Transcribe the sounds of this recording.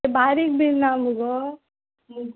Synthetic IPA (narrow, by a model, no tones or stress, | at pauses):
baːɾik̚binːaːmuɡo | muɡ